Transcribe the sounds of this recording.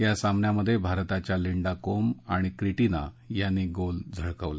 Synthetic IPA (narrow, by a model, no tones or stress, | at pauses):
jasamnjaməd̪ʱːjebʱaɾt̪at͡ɕjaliɳɖakomaɽ̃ikɾiʈina̰ | janːiːɡold͡zʱəɭkəʋla